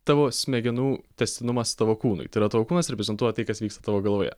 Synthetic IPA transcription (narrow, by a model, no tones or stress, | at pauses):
t̪ɑʋoːsʲmʲɛɡʲɛnuːt̪ʲɛsʲt̪ʲɪnʊmɐst̪ɑʋoːkuːnʊ̰ɪt̪ɐɪɾɐt̪ɑːʋoːkuːnɐsɾɛpʲɛzʲɛnt̪uɔt̪ɐɪkɐsʋʲiːkst̪ɐt̪ɑʋoːɡɐlˠʋoːjɛ̰